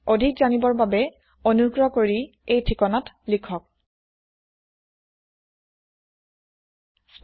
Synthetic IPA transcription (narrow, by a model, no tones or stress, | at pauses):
odʱikzanibɔɹbabɛ | onuɡɹɔkoɹi | ejtʰikɔnatlikʰɔk̚